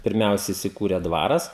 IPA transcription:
pʲɪrʲˈmʲɛʊsʲɛ ɪsʲɪˈkuːrʲeː ˈdʋɑːrɐs

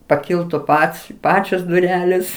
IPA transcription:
pɐˈkʲɪlˠtʊ ˈpɐts ˈpɑːt͡ʃʲoːs dʊˈrʲæːlʲeːs

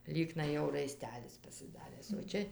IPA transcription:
ˈlʲiːknɐɪ jɛʊ rɐɪˈsʲtʲæːlʲɪs pɐsʲɪˈdɑːrʲæːs oː ˈt͡ʃʲɛ

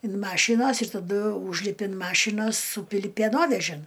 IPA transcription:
ɪn ˈmɑːʃʲiːnoːs ɪr tɐˈdʊ ˈuːʒʲlʲɪpʲɪ ɪn ˈmɑːʃʲiːnoːs ˈsuːpʲɪlʲɪ pʲeːˈnoːʋʲɛʒʲɪn

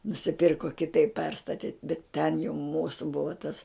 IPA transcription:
nʊsʲɪˈpʲɪrkoː kʲɪˈtɐɪp ˈpʲɛrstɐtʲɪ bʲɛt tʲɛn jɛʊ ˈmuːsʊ ˈbʊʋɐ tɐs

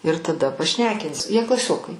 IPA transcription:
ɪr tɐˈdɐ pɐˈʃʲnʲæːkʲɪnʲsʲɪ jiɛ klˠɐˈsʲoːkɐɪ

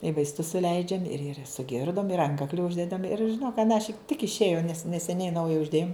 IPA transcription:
ɪ ʋɐɪsˈtʊs sʊˈlʲɛɪd͡ʒʲɛm ɪr ɪr sʊˈɡʲɪrdoːm ɪr ˈɐŋkɐklʲɪ ˈʊʒʲdʲɛdɐm ɪr ʒʲɪˈnoːk ɐnɑːˈʃʲɪk tʲɪk ɪʃʲˈeːjoː nʲɛs nʲɛsʲɛˈnʲɛɪ ˈnɐʊjɛ ʊʒʲˈdʲeːjoːm

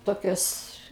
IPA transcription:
ˈtoːkʲoːs

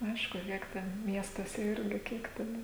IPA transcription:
ˈɐɪʃkʊ ˈkʲiɛk tʲɛn ˈmʲiɛstuɔsʲɛ ˈɪrʲɡʲɪ ˈkʲiɛk tʲɛn

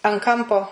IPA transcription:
ɐn ˈkɐmpoː

